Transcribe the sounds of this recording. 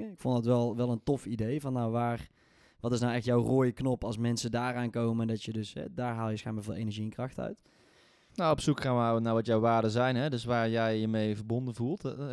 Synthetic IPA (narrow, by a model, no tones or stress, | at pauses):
əɪkfɔndɑtʋɛlˠʋɛlˠəntɔfidejvɑnːawʋaːr | ʋɑtɪs̬nawɛxtjawroːjəknɔpɑlˠsmɛnsədaːraːnkowməndɑtjədɵsɦɛ̰daːɹɦaːlˠjəsxaːnmaːɹvɪːlˠʔejnəɹʒiənkrɑxtœ̰ɥt | naɔpsukxaːnʋwnaɹʋɑtjɔwʋaːɹdəzɛjnɦɛdɵsʋaːɹjɛjəmejvəɹbɔndənvulˠt